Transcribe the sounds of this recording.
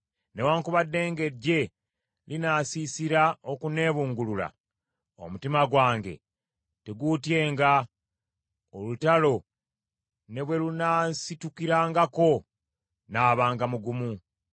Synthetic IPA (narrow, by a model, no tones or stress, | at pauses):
newaːŋkuβadːe̞ːŋɡe̞ɾɟe̞ | linasisiɾao̞kune̞ːβuːŋɡulula̰ | o̰mutimaɡwaːŋɡe̞̰ | teɡutje̞ːŋɡa | olutalo̞ | ne̞βwe̞lunasitukiɾaːŋɡako̞ | naːβaːŋɡamuɡumu